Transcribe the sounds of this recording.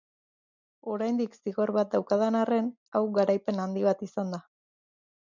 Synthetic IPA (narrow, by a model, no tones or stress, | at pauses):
o̞ɾajnd̪iksiɣo̞ɾβat̪̚d̪awkaðanare̞n | awɡaɾajpe̞nand̪iβat̪isand̪a